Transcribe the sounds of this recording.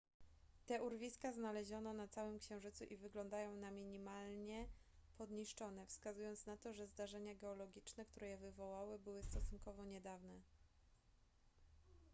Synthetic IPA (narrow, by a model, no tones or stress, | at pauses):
t̪ɛʔuɾvʲiskaznalɛʑɔnɔnat̪sawɘmkɕɛ̃w̃ʐɘt̪suʔivɘɡlɔnd̪ajɔ̃w̃namʲiɲimalɲɛ | pɔd̪ɲiʂt͡ʂɔn̪ɛfskazujɔnt̪snat̪ɔʐɛzd̪aʐɛɲaɡɛɔlɔɡʲit͡ʂnɛkt̪uɾɛjɛvɘvɔwawɘbɘwɘst̪ɔsunkɔvɔɲɛd̪avnɛ